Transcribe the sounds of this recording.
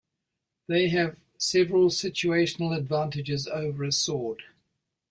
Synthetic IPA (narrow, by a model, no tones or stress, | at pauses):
ðeɪɨv̥ | sɛvəɹəlˠsɪt͡ʃueɪʃənəl̩ˠədvæ̃ˑntɨd͡ʒɪzəʊvəɹəsɔːd̥